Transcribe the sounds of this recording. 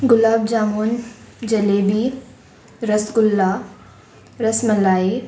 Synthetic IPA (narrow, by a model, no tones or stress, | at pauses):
ɡʊlaːb̚d͡ʒaːmoːn | d͡ʑɐleːbi | ɾɐsɡʊlːaː | ɾɐsmɐlaːi